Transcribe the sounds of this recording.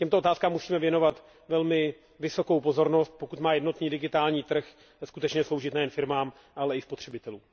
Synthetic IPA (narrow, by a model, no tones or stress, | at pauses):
cɛmt̪oʔt̪aːskaːmːusiːmɛvjɛno̞vat̪ | vɛlmɪ | vɪso̞kowpo̞zo̞ɾno̞st̪̚po̞kut̪maːjɛdno̞t̪niːdɪɡɪt̪aːlɲiːt̪r̩x | skut̪ɛt͡ʃɲɛslo̞wʒɪt̪nɛjɛnfɪɾmaːm | ʔalɛɪspot̪r̝̥ɛbɪt̪ɛluːm